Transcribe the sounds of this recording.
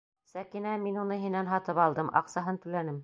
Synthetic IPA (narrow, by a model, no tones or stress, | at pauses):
sækinæminunɤɦinænɦɑt̪ɤpɑlˠd̪ɤmʔɑ̰qsɑɦɤnt̪ɵ̆lænɘm